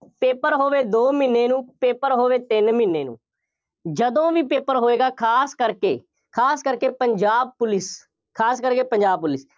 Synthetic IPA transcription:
peːpəɾɦoːʋeːd̪oːmɪnːeːnũːpeːpəɾɦoːʋeːt̪ɪnmɪnːeːnṵ̃ː | d͡ʒəd̪õːʋiːpeːpəɾɦoːeːɡaːkʰaːskəɾkḛː | kʰaːskəɾkeːpəɲd͡ʒaːb̚pʊlɪs | kʰaːskəɾkeːpəɲd͡ʒaːb̚pʊlɪs

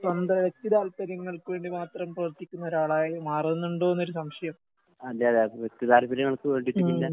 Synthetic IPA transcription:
sɐnd̪ɐɐʋe̞k̚t̪iðaːlpɐɾjɐŋːɐɭkɨʋeːɳɖimaːt̪rɐmprɐʋɐrt̪ːikʲːunːɐo̞ɾaːɭaːjmaːrunːuɳɖo̞ːnːo̞ɾusɐmɕɐjɐm | ɐlːeðeʋek̚t̪iðaːlpɐɾjɐŋːɐɭkɨʋe̞ːɳɖiʈiːilːɐ

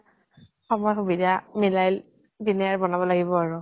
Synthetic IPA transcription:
xɔmɔjxubidamilajl | diniaɹbɔnabɔlaɡibɔaɹʊ

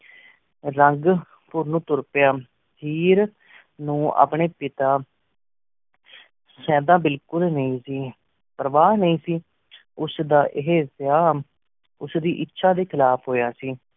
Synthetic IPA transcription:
ɾəŋɡ | pʊɾnũːt̪ʊɾpjaː | pʰiːɾ | nũːa̰ːpɳeːpɪt̪aː | sɛ̃ːd̪ãːbɪlkʊlnəĩːsiː | pəɾʋaːnəĩːsiː | ʊsd̪aːʔɪɦeːsjaːm | ʊsd̪iːʔɪtːʃʰaːd̪eːkʰɪlaːpʰɦoːjaːsiː

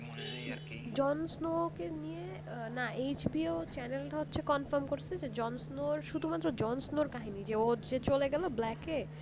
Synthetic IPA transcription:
d͡ʑɔnsnokenije | naejt͡ɕbiot͡ɕɛnelɦotːɕʰekɔnfaɾmkoɾt͡ɕʰed͡ʑed͡ʑɔnsnoɾʃud̪ʱumat̪ːɾod͡ʑɔnsnoɾkaɦinid͡ʑeod͡ʑet͡ɕoleɡɛloblɛke

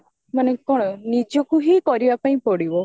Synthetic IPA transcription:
manekɔɽ̃ɔnid͡ʒɔkuɦikɔɾibapãĩpɔɽibɔ

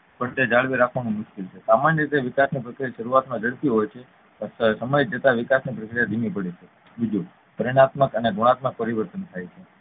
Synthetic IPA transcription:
pəʈed͡ʒaɭʋiɾakʰʋanũmʊʃkilt͡ʃʰesamanjəɾit̪eʋikasnipɾəkɾijaʃəɾuat̪mãd͡ʒəɭt̪iɦojt͡ʃʰe | əsəməjd͡ʒət̪aʋɪkasnipɾəkɾijad̪ʱimipəɽet͡ʃʰe | bid͡ʒu | pəɾiɽ̃at̪məkəneɡʱoɽ̃at̪mək̚pəɾiʋəɾt̪ənt̪ʰajt͡ʃʰe

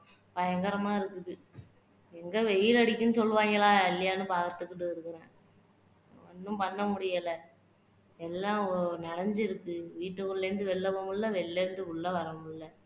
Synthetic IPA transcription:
pɐjɐŋɡɐɾɐmaːɪɾɯkːɯðɯ | ɛŋɡɐʋɛjɪlɐɽɪkʲːɯnɯsɔlːɯʋaːŋɡɐɭaːɪlːɐjaːnɯbaːɣɐt̪ːɯkːɯʈːɯɪɾɯkːɯɾẽː | ɐnːɯmpɐɳːɐmʊɽɪjɐlɐ | ɛlːãːnɐɽɐɲd͡ʒɪɾɯkːɯʋiːʈːɯkːɯɭːɛɾɯnd̪ɯʋɛlːɐpomɯɭːɐʋɛlːɛɾɯnd̪ɯʊɭːɐʋɐɾɐmɯɭːɐ

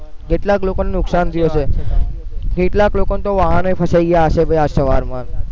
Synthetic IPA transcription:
keʈlaklokonenʊksant̪ʰəjot͡ʃʰe | keʈlaklokonet̪oʋaɦanopʰəsaiɡəjaːʃebʱəjasəʋaɾmãɾ

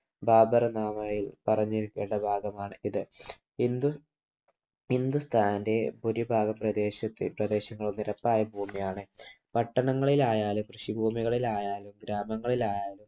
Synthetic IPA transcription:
baːbɐrɐnaːmaːjilpɐrɐɲːiɾukʲːeːɳɖɐbʱaːɡɐmaːɳɨiðɨ | ind̪u | ind̪ust̪ʰaːnnde̞puɾibʱaːɡɐmprɐd̪eːɕɐt̪ːiprɐd̪e̞ːɕɐŋːɐɭuniɾɐpːaːjɐbʱuːmijaːɳɨ | pɐʈːɐɳɐŋːɐɭilaːjaːlumkrɨʂibʱuːmiɣɐɭilaːjaːlumɡɾaːmɐŋːɐɭilaːjaːlum

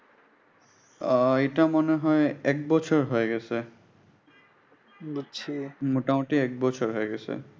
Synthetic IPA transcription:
etamɔnɛɦɔjɛk̚bɔt͡ʃʰɔɹɦojɡɛsɛ | imutamutiɛk̚bɔt͡ʃʰɔɹɦojɡɛsɛ̰

